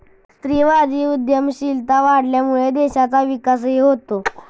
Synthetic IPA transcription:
st̪ɾiʋad͡ʑiːud̪jəmɕilt̪aʋaɽljamuɭed̪eɕat͡saʋikas̬ɦeɦot̪o

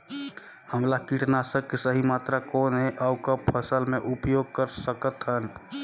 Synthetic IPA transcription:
həmlakiʈnasəb̚kesəɦimat̪ɾakonɦeʔawkəbpʰəsəlmeʔupjoɡ̚kəɾsəkət̪ɦən

